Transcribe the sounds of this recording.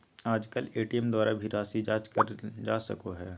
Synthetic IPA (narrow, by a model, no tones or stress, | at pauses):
aːd͡ʒkəleːʈiɛmd̪waːɾabʱiɾaːsid͡ʒaːt͡ʃkəɾd͡ʒaːsɐ̰koɦɛː